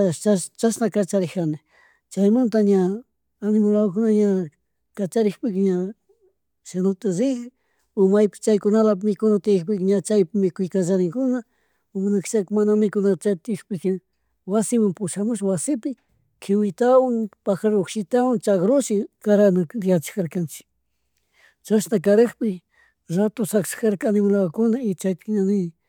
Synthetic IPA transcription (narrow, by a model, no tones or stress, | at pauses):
t͡ʃast͡ʃasnakat͡ʃaɾɪanɪ | t͡ʃajmant̪aɲaː | nɪmʊlakʊnaɲa | kat͡ʃaɾɪxpɪkɪɲa | ʃenʊt̪aɾɪk | ʊmajpɪ̥t͡ʃajkʊnalamɪkʊnat̪ɪjɪkpɪkɪɲat͡ʃajpɪmɪkʊjkat͡ʃaɾɪŋkʊna | ʊmnakt͡ʃakɪmanamɪkʊnat͡ʃat̪ɪkpɪkɪ | wasɪmampʊʃamʊʃwasɪpɪ | kʰɪwɪt̪awaŋpaxaɾokʃɪt̪awaŋt͡ʃaɡɾʊʃɪkaɾanaɾɪjat͡ʃɪ̥kaɾkant͡ʃɪ̥k | t͡ʃasnakaɾɪχpɪ | ɾat̪ʊsakt͡ʃḁkaɾkanɪmalawakʊnaɪt͡ʃajpɪ̥kɲanɪ